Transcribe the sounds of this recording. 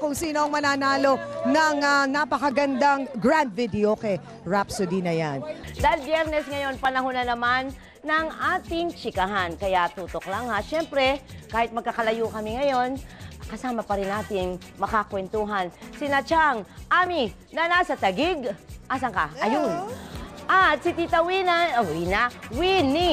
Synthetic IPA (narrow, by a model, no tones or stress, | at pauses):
kʊŋsiːnoʔɐŋmɐnaːnaːlo̞nɐŋanapɐkɐɡɐnd̪aŋɡɹand̪̚vid̪ɛokɛ | ɹapsʊd̪inɐjand̪albjɛɾnɛsŋɐjo̞npɐnɐɦʊnɐnɐmanː | ɐŋaːt̪ɪŋt͡ʃɪkɐɦankɐjat̪uːt̪oklɐŋhaʃɛmpɾɛkaːhɪt̪̚mɐɡ̚kːakɐlɐjukɐmɪŋɐjo̞nkɐsaːmɐpɐɾɪnʔaːt̪ɪŋ | mɐkakwɛnt̪uɦɐnsɪnɐt͡ʃaŋʔaːmi | nɐnaːsɐt̪ɐɡɪɡʔasɐŋkaʔɐjʊnʔɐt̪̚sɪt̪it̪ɐwinawinawini